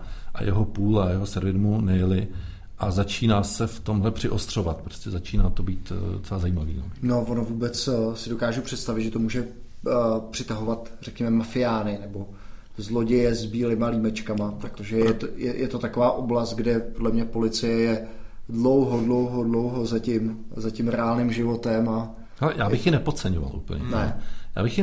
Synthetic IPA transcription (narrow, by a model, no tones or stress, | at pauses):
ʔa̰jɛ̰ɦopuːlajɛɦosɛɾvɪdmunɛjɛlɪ | ʔazat͡ʃiːnaːsɛft̪o̞mɦlɛpr̝̥ɪʔost̪r̝̥ovat̪̚pɾoscɛzat͡ʃiːnaːt̪obiːt̪sɛbazajiːmavḭno̰no̞vonovuːbɛt͡ssɪdo̞kaːʒupr̝̥ɛt̪st̪avɪt̪ʒɛt̪omuːʒɛ | pr̥ɪt̪aɦo̞vat̪rɛkɲɛmɛmafɪjaːnɪnɛbo̞ | zlo̞ɟɛjɛzbiːlɪmaliːmɛt͡ʃkamat̪ɾakt̪oʒɛjɛt̪jɛjʔɛt̪o̞t̪akovaːʔo̞blast̪̚ɡdɛpodlɛmɲɛpo̞lɪt͡sɪjɛjɛ | dlo̞wɦo̞dlo̞wɦo̞dlo̞wɦo̞zacɪmzacɪmɾɛaːlnɪmʒɪvo̞t̪ɛma | alɛjaːbɪxjɪnɛpott͡sɛɲova̰lʔṵːpl̩̰ɲɛ̰nɛja̰ːbɪxjɪ